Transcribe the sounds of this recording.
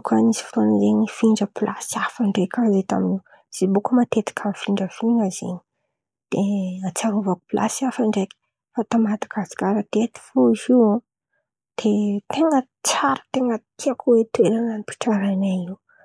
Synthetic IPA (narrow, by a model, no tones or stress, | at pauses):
kʰanisi̥fut̪onizeɲifiɳɖ͡ʐəpilʔa̰siafaɳɖ͡ʐekʲazet̪a̰miniw | z̥ibukəmat̪et̪i̥kʰamfiɳɖ͡ʐəfinazḛɲi | d̪̥eat͡saɾuvaku̥pilʔa̰siafaɳɖ͡ʐeki̥ | fat̪amat̪ḁkasi̥kʲaɾat̪et̪i̥foizia | d̪̥et̪eŋə | t͡saɾə̥t̪eŋət̪iakuwet̪ueɾananipi̥ʈ͡ʂaɾajnaiw